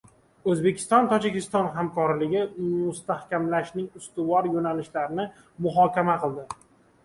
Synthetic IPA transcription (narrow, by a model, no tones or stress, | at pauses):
ɵzbe̞kʲʰɪ̥st̪ɒnt̪ʰɒd͡ʒɪkʲɪst̪ɒnɦamkʰɒɾlɪɡʲɪmʊst̪ahkʲʰamlaʃnɪŋʊst̪ʊvɒɾjonalɪʃlaɾɪnɪ | mʊɦɒkʲamaqʰɨlˠd̪ɪ